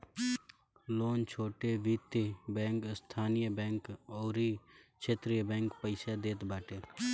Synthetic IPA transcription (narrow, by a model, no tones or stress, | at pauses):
loːnt͡ʃʰoːʈeʋiːt̪ebɛ̃ːŋkst̪ʰaːnijəbɛ̃ːŋkɔːɾikt͡ʃʰeːt̪ɾijəbɛ̃ːŋkpəɪsad̪eːt̪baːʈeː